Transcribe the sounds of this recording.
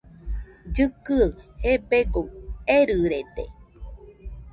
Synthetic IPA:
d͡ʒɨkɨhepeɡoeɾɨɾet̪ḛ

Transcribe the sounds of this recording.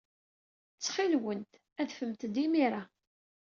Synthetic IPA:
t͡sːχilwənt̪ | æðfəmt̪d̪imiɾa

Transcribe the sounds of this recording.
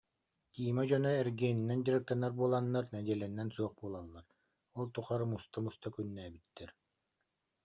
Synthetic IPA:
t̪iːmad͡ʑɔnɔɛɾɡiɛːninːɛnd̪ʲiɾɯk̚t̪anːaɾbuɔlˠanːaɾnɛd̪iɛlɛnːɛnsuɔχbuɔlˠalːaɾ | ɔlˠt̪uχaɾɯmust̪amust̪akynːɛːbit̪ːɛɾ

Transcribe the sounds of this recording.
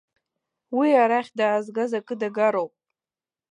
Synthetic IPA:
wiaɾaχʲdaːzɡazakʼɨdaɡaɾowpʼ

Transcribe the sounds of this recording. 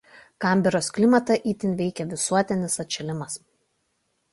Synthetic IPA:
kɑˑmʲbʲɛɾoːsklʲɪmɐt̪ɐʔiːt̪ʲɪnʲʋʲɛɪkʲɛʋʲɪsuɔt̪ʲɪnʲɪsɐt̪ʲt͡ʃʲɛlʲɪmɐs

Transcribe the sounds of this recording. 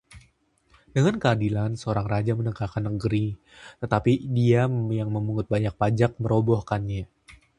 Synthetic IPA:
dəŋankəadilansəoɾaŋrad͡ʒamənəkakanːəɡəɾi | t̪ət̪apidiajaŋməmuŋʊt̪̚baɲak̚pad͡ʒak̚məɾobɔhkanɲa

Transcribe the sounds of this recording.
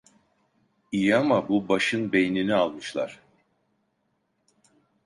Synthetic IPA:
ijamabubaʃɯnbejninialˠmɯʃlˠa̰ɾ̥

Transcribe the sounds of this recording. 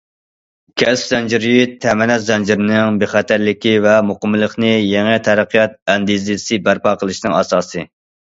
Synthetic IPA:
kʲʰɛspzɛnd͡ʒiɾjyt̪ʰːɛmɛnɛt̪zɛnd͡ʒiɾɪnɪŋbeχæt̪ʰæɾlɪkʲivɛmoqəmːɨlˠəχnɨjeŋɨt̪ʰæɾæqʰijɑt̪̚ɛnd̪izɪɪsɨbæɾpɑqəlˠɨʃnɨŋɑsɑːsɨ

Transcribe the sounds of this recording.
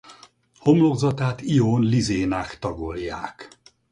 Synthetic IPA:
ho̞mloɡzɒt̪aːt̪ioːnlizeːnaːkt̪ɒɡoljaːk

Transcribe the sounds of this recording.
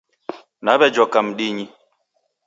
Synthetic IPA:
naβɛd͡ʒɔkam̩ɗiɲi

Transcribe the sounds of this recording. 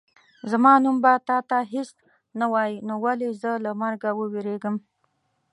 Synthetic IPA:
zamɑnumbat̪ɑt̪aɦes | nawɑjinowalezəlamaɾɡawəweɾeɡəm

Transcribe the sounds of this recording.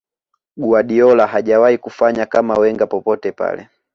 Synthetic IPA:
ɡuaɗiɔlaɦaʄawaikufaɲakamawɛŋɡapɔpɔtɛpa̰lɛ̰

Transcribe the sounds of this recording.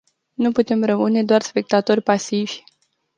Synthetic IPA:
nuput̪e̞mrəmɨne̞d̪oarspe̞k̚t̪at̪o̞rʲpasivʲ

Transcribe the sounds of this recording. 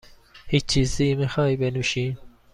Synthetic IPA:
hit͡ʃt͡ʃʰiziːmexɑːibɛnuʃin

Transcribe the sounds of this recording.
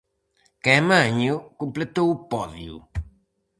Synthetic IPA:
kemãɲukũmplet̪owupɔðjṵ

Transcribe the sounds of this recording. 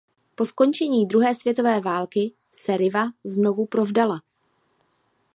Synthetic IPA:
po̞sko̞nt͡ʃɛɲiːd̪ɾuɦɛːsvjɛt̪o̞vɛːvaːlkɪ | sɛɾɪvazno̞vupɾo̞vdala

